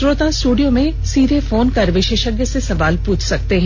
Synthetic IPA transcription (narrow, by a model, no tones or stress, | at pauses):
ɾoːt̪ãsʈuːɖijõmẽ | siːd̪ʱefoːnkɐɾʋɪʃeːʃəɡjəsesɐʋaːlpuːt͡ʃʰsɐkt̪eɦɛ̃